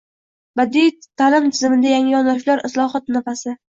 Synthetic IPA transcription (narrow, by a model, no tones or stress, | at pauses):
bad̪it̪ʰːalɪmt̪ʰɪzɪmɪd̪ajaŋɪjɒnɒt͡ʃlaɾɪslˠɒχɒt̪nafasɪ